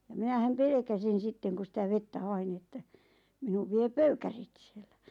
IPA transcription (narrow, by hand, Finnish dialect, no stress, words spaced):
jɑ minæhæm pelĕkæsin̞ sitːeŋ ku sitæ ʋetːæ hɑin n̆ĭ etːæ minuʋ ʋie pøykærit si̥e̥l̥ːæ̥